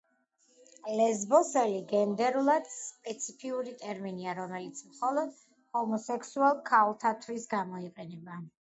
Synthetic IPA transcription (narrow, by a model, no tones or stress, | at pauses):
lɛzbɔsɛliɡɛnd̪ɛɾulˠad̪̥spʼɛt̪sʰipʰiuɾit̪ʼɛɾminiaɾɔmɛlit̪sʰmχɔlˠɔd̪̥ | hɔmɔsɛkʰsualˠkʰalˠt̪ʰat̪ʰwisɡamɔiqʼɛnɛba